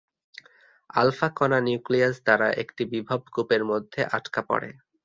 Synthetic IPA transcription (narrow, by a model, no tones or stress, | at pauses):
a̰lfakɔnanjukliasd̪aɾaʔekʈibibʱab̚ʱkupeɾmod̪ʱːeʔaʈkapɔ̰ɽḛ